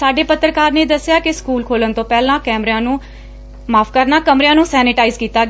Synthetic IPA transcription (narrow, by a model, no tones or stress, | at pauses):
saːɖeːpət̪ɾəkaːɾneːd̪əsːjaːkɪskuːlkʰoːlənt̪õːpɛːlãːkɛːmɾãːnũː | maːpʰkəɾnaːkəmɾjãːnũːsɛːnɪʈaːizkiːt̪aːɡ